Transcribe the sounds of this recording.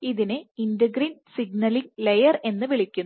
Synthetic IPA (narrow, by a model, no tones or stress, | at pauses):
iðinɨindɐɡrinsiɡ̚nɐliŋlejɐre̞nːɨʋiɭikʲːun